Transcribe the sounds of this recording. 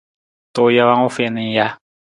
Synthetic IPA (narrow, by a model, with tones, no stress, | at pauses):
to˨ja˦wa˦ŋo˦fe˨ni˨ja˦